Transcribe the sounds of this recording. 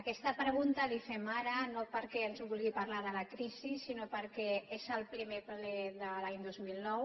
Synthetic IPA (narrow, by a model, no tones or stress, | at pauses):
ɐkɛst̪apɾəɣ̞unt̪alifɛmaɾanopəɾkeənzβulɣipaɾlaɾðəlakɾisisinopəɾkɛezəlpɾimepleðəlaɲd̪ozmilnɔw